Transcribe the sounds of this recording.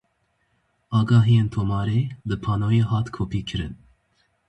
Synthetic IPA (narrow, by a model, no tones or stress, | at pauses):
ɑːɡɑːɦijent̪ʰoːmɑːɾed̪əpʰɑːnoːjeɦɑːt̪kʰoːpʰiːkʰɨɾɨ̰n